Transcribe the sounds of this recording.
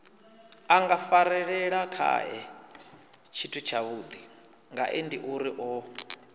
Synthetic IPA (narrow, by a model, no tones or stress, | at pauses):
aŋɡafaɾɛɺɛɺakʰa̰ɛ | t͡ʃʰitʰut͡ʃʰaβud̪i | ŋɡaʔendiʔuɾiʔɔ